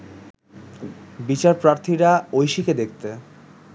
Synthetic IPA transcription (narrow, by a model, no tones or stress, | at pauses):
bit͡ɕaɾpɾaɾt̪ʰiɾaojʃiked̪ek̚ʰt̪e